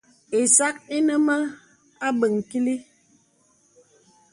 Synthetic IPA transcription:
e˨sa˦ki˦nə˦mə˦ | a˦bə˨ŋ˨ki˦li˦

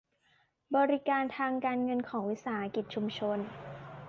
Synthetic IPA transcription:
bɔː˧ɾi˦˥kaː˧nt̪ʰaː˧ŋkaː˧nŋɤ˧nkʰɔː˩˦ŋwi˦˥saː˩˦ʔa˧˥ki˨˩t̪̚t͡ɕʰu˧mt͡ɕʰo˧n

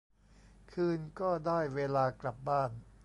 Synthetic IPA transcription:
kʰɯː˧nkɔː˥˩daː˥˩jweː˧laː˧kla˨˩p̚baː˥˩n

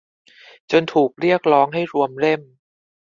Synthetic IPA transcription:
t͡ɕo˧nt̪ʰuː˨˩k̚ɾi˥˩ək̚ɾɔː˦˥ŋɦa˥˩jɾu˧əmɾe˥˩m

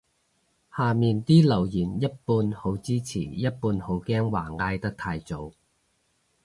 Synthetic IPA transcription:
haː˨˩miː˨˩nt̪iː˥lɐ˨˩wjiː˨˩njɐ˥t̚puː˧nho˨˥wt͡siː˥t͡sʰḭː˨˩jɐ˥t̚puː˧nho˨˥wkɛː˥ŋwaː˨˩ŋaː˧jt̪ɐ˥k̚t̪ʰaː˧jt͡so˨˥w

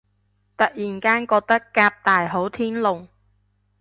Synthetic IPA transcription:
t̪ɐ˨t̚jiː˨˩nkaː˥nkɔː˧k̚t̪ɐ˥kːaː˧p̚t̪aː˨jɦo˨˥wt̪ʰiː˥nlʊ˨ŋ

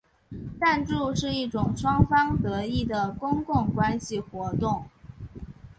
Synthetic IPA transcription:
t̪a˥˧nʈ͡ʂu˥˧ʂɻ̩˥˧i˥˩ʈ͡ʂʊ˨˩ŋʂwɑ˥ŋfɑ˥ŋt̪ɤ˧˥i˥˩d̪ə˩kʊ˥ŋkʊ˥˩ŋkwa˥nɕi˨xwɔ˧˥t̪ʊ˥˩ŋ

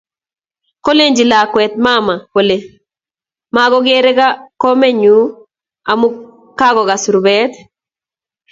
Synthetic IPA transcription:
ko˦le˦ɲd͡ʒi˨la˨kwɛ˨t̪̚ma˦ma˨po˨le˨ | ma˨ɡɔ˦ɡe˦ɾɛ˦ɡa˦kɔ˦mɛ˦ɲu˨˦ | a˨mu˦ | ka˦ɡɔ˨ɡa˨su˨ɾubɛ˦t̪

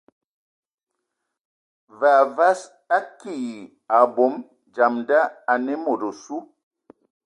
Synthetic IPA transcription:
va˨va˦s | a˦ki˦˨ | a˨bo˨˦m | d͡ʒa˨mda˦a˨nɛ˦mo˨ɾo˨su˦

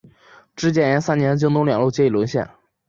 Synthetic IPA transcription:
ʈ͡ʂɻ̩˥t͡ɕjɛ˥˩jɛ˧˥nsa˥njɛ˧˥nt͡ɕi˥ŋt̪ʊ˧˥ŋljɑ˨˩ŋlu˥˧˩t͡ɕjɛ˥˩i˨˩lwə˧˥nɕjɛ̰˥˩n

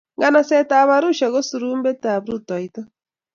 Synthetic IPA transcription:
ŋɡa˨na˨sɛ˦taβa˦ɾu˦ʃa˨ɣo˦su˨ɾuː˦mbe˦ta˨βɾu˦tɔ˨itɔ˦

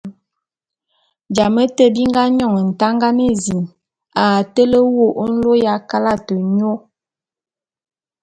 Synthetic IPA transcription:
d͡ʒa˨mə˦tə˦bi˦ŋ˦ɡa˦ɲɔ˦˨ŋə˨n̩˨ta˦ŋɡa˦nə˦zi˨n | a˨tə˦lə˦wo˦˨ʔo˦n̩˦lo˦ja˦ka˦la˦˨tə˨ɲo˦

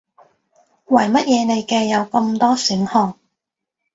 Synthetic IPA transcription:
wɐ˨˩jmɐ˥t̚jɛː˨˧ne˨˧jkɛː˧jɐ˨˧wkɐ˧mt̪ɔː˥syː˨˥nhɔː˨˧ŋ̚

